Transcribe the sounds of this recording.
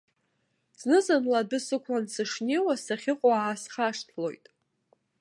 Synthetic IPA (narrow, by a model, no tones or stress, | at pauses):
z̥nɨzanladɨsɨkʷʰlansɨʂnʲe̞jwasaχʲɪqʷʼoaasχaʂtʰlo̞̰jtʼ